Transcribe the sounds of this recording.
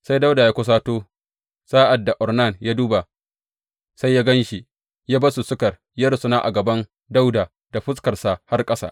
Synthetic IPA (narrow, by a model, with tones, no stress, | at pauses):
sa˦jda˦wdaː˨jaː˦kʷʊ˦s̬aː˦toː˦ | saː˦ʔa˨dːa˨ʔɔ˨rna˦˨njaː˦duː˦ba˨ | sa˦jːaː˦ɡɐ˦nʃi˨ | jaː˦ba˦su˨sʊ˦kɐ˨r | jɐ˦ɾsʊ˦naː˦ʔa̰˨ɡɐ˨bɐ˦n | da˦wda˨ | d̥a˨ɸʊ˦skɐ˨rsa˨ha˦rkʼɐ˦sa̰˨ʔ